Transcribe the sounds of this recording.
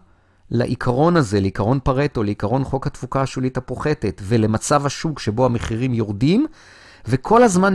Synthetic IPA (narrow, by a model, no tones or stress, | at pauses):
la̰ʔikʰaʁo̞naze̞leikaʁo̞npaʁet̪o̞leikaʁo̞nχo̞khat̪fukaʃulit̪apoχe̞t̪e̞t̪ve̞le̞mat͡savhaʃukʃebo̞ame̞χiʁimjo̞ʁdim | ve̞kʰo̞lazman